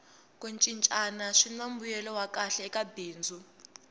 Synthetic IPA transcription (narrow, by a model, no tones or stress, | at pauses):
kʼunt͡ʃʼint͡ʃʼanaʂinambujɛlɔwakʼaɬɛːkabiːnd͡zʱu